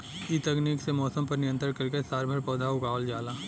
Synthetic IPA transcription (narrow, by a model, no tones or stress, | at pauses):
it̪ɐkniːksemɔːsə̃mpɐɾnɪjə̃nt̪ɾəɽkɐɾkesaːɾbʱəɾpɔːd̪ʱaʊɡaːʋəld͡ʒaːlaː